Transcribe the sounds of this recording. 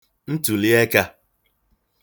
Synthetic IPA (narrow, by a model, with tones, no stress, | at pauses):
n̩˦tu˨li˦e˦ka˦